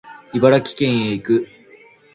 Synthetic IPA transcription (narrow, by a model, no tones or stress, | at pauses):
ibaɾakʲi̥kẽ̞ɰ̃eikɯ̟